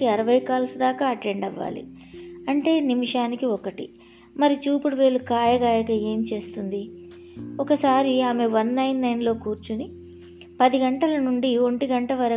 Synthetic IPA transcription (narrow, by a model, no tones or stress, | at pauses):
iɐɾɐʋɐjkaːlsud̪aːkaːɐʈeɳɖɐʋːa̰ːlḭ | ɐɳʈe̞ːnimiʂaːnikiɔkɐʈḭ | mɐɾit͡ʃuːpuɽuʋe̞ːlukaːjɐɡaːjɐkɐe̞ːmt͡ʃe̞ːst̪und̪i | ɔkɐsaːɾiaːme̞ʋɐnːɐjnːɐjnlo̞ːkuːɾt͡ʃuni | pɐd̪iɡɐɳʈɐlɐnuɳɖio̞ɳʈiɡɐɳʈɐʋɐɾɐ